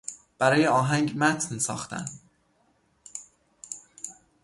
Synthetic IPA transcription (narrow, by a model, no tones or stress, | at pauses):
b̥æɾɒːjeɒːɦæŋɟmæt̪ʰnsɒ̰ːxt̪ʰæ̰n